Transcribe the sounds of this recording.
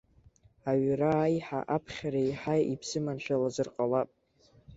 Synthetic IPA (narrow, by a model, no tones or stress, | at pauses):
aɥraːjħa̰ʔapʰχʲaɾajħajibʰsɨmanʃʷᶣalazɨrqʼalapʼ